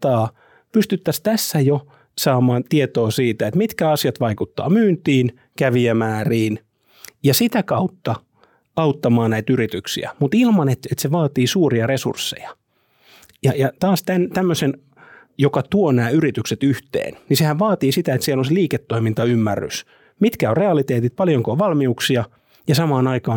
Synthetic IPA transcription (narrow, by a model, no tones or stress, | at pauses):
ɑː | pyst̪yt̪ːæst̪æsːæjo | sɑːmɑːnt̪iet̪oːsiːt̪æet̪mit̪kæɑsiɑt̪ʋɑikut̪ːɑ̰ːmyːnt̪iːn | kæʋiæmæːriːn | jɑsit̪ækɑut̪ːɑ | ɑut̪ːɑmɑːnnæit̪yrit̪yksḭæ̰mut̪ilmɑnet̪et̪seʋɑːt̪iːsuːriɑresṵrsːḛjɑ | jɑjɑt̪ɑːst̪ænt̪æmːøsen | jokɑt̪uonæːyɾit̪ykset̪yht̪ḛːnnisehæʋʋɑːt̪iːsit̪æet̪siælonseliːket̪ːoimint̪ɑymːærːy̰s | mit̪kæorreɑlit̪eːt̪it̪̚pɑljoŋkoʋʋɑlmiuksiɑ | jɑsɑmɑːnɑikɑː